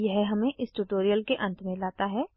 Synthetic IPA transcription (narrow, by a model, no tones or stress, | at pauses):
jɛɦɦɐmẽʔɪsʈuːʈoːɾijəlkeʔɐ̃nt̪ʰmẽlaːt̪aɦɛː